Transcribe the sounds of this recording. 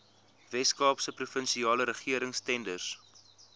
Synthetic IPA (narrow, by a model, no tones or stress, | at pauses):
vɛskɑːpsəprufənʃiɑːləɾəχiəɾəŋstɛndərs